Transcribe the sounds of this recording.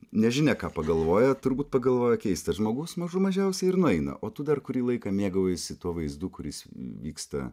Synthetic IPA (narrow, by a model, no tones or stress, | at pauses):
nʲɛʒʲɪnʲɛkɑːpɐɡɐlˠʋoːjɛt̪ʊɾbuːt̪̚pɐɡɐlˠʋoːjɛkʲɛɪst̪ɐʒmoːɡʊsmɐʒʊmɐʒʲɛʊsʲɛɪɾnʊɛɪnɐ̰ʔʔoːt̪ʊd̪ɐrkʊɾʲiːlˠɐɪkɑːmʲeːɡɐoːjsʲɪt̪uɔʋɐɪzd̪uːkʊɾʲɪ̰sʋʲiːkst̪ɐ̰